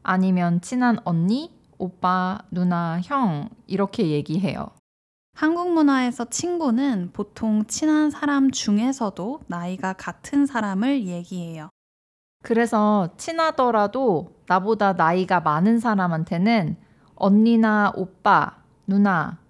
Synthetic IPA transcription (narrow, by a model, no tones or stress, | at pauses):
aɲimjʌnt͡ɕʰinɦanʌnːi | op͈anunaçjʌŋiɾʌkʰe̞je̞ɡiɦe̞jo̰ | hanɡuŋmunae̞sʰʌt͡ɕʰinɡunɯnpotʰoŋt͡ɕʰinansʰaɾamt͡ɕuŋe̞sʰʌdonaiɡakatʰɯnsʰaɾamɯɭje̞ɡiɦe̞jo | kɯɾe̞sʰʌt͡ɕʰinadʌɾadonabodanaiɡamanɯns̬ʰaɾamɦantʰe̞nɯn | ʌnːinaop͈a̰ | nuna